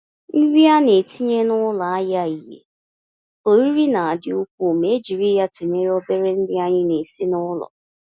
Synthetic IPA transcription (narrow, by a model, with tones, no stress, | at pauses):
n̩˦ɡi˦a˦ne˨ti˦ɲe˦nʊ˦la˨a˦ja˦˨i˨ɦḛ˨ | o˨ɾi˦ɾi˦na˨a˨dɪ˦ʊ˦kʷu˦˨me˨˦e˦d͡ʒi˨ɾi˦ja˦tu˨ɲe˦ɾɔ˦be˦ɾe˦n̩˦dɪ˦a˦ɲɪ˦ne˨si˦nʊ˦lɔ̰˨